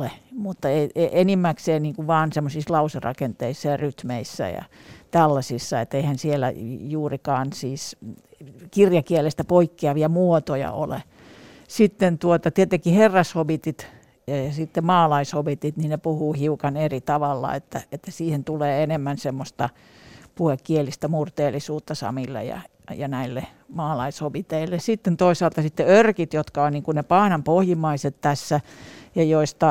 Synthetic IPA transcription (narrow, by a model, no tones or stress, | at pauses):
lemut̪ːɑeieʔenimːækseːnniːŋkuʋʋɑːnsemːosislɑuserɑ̰kent̪eisːɑjɑryt̪meisːæ̰jɑ̰t̪ælːɑsisːɑḛt̪ːeihænsielːæ̰juːrikɑːnsiːs | kirjɑkielest̪æpoikːiɑʋiɑmuot̪ojɑ̰o̰lḛ | sit̪ːent̪uot̪ɑt̪iet̪eŋkiherːɑshoʋit̪it̪ | jɑsit̪ːemɑːlɑishoʋit̪it̪ninepuhuːhiukɑnerit̪ɑʋɑlːɑ̰ḛt̪ːæet̪ːæsiːhent̪uleːenemːænsemːost̪ɑ | puhekːielist̪æmurt̪eːlːisuːt̪ːɑsɑ̰milːḛjɑ̰ | jɑnæilːe | mɑːlɑishobit̪eilːesit̪ːent̪oisɑːˑlt̪ɑsit̪ːeørkit̪jot̪kɑonniːŋkunepɑːnɑmpohjimɑiset̪t̪æsːæjɑjoist̪ɑ